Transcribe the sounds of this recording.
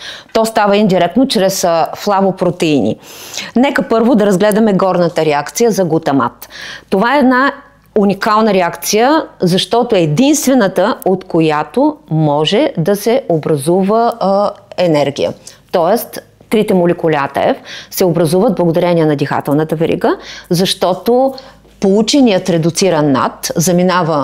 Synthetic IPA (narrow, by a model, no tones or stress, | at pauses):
t̪ɔst̪avəind̪iɾɛk̚t̪not͡ʃɾɛsflˠavopɾot̪ɛinʲḭnɛkəpɤɾvod̪ɐɾɐzɡlɛd̪ɐmɛɡɔɾnət̪əɾɛakt̪sijəzɐɡot̪ɐma̰t̪ːovaɛːd̪na | unikalˠnəɾɛakt̪sijəzɐʃt̪ɔt̪oɛːd̪inst̪vɛnət̪əot̪kojat̪omɔʒɛd̪ɐsɛobɾɐzuvə | ɛnɛɾɡʲḭjə̰t̪ɔɛst̪ | t̪ɾit̪ɛmolʲɛkʊlʲa̰t̪ə̰ɛ̰fsɛobɾɐzuvəd̪̚blˠɐɡod̪ɐɾɛniɛnɐd̪ixa̰t̪ɛlˠnət̪əvɛɾḭɡəzɐʃt̪ɔt̪o | polˠut͡ʃɛnijət̪ɾɛd̪ʊt̪siɾɐnːa̰t̪zɐminavə